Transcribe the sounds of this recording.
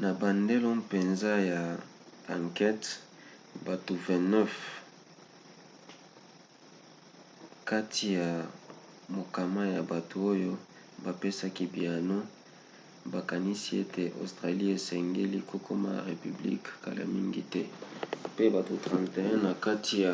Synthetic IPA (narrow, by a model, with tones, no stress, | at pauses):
na˨ba˨nde˦lo˦pe˨nza˦ja˨ | a˨ŋkɛ˦t | ba˨to˨vɛ̃˨nɛ˦f | ka˦tʰi˨ja˨ | mo˨ka˨ma˦ja˨ba˨tʰo˨o˦jo˦ | ba˨pe˦sa˦ki˦bi˨a˨no˦ | ba˨ka˨ni˦si˦e˦te˨ʔo̰˨stʁa˨li˦e˨sɛ˨ŋɡe˦li˦kʰo˦kʰo˦ma̰˦a̰˨ʁe˨py˨blḭ˦kka̰˨la̰˨mi˦ŋɡḭ˦tɛ˦pe˦ba˨to˨tʁã˨nte˨ɛ̃˦na˨ka˦tʰi˨ja˨